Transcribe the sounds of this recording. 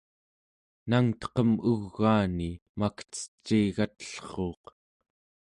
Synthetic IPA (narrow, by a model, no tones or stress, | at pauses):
naŋt̪ʌ̥qʌmuɣːaːnimakə̥t͡sə̥t͡ʃːiːɣat̪ə̥ɬχo̞ːq